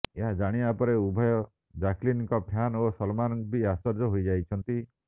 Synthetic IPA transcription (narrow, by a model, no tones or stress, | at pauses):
eɦad͡ʒaɽ̃iapɔɾeubʱɔjɔ | d͡ʒaklinkɔpʰjanosɔlmanbʱiasɔɾd͡ʒɔɦojd͡ʒajt͡ʃʰɔnt̪i